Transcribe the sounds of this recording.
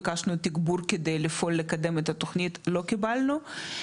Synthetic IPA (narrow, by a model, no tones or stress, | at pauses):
kaʃnut̪iɡbuɾked̪ejlifo̞lːekad̪e̞met̪at̪oχnit̪lo̞kibalnu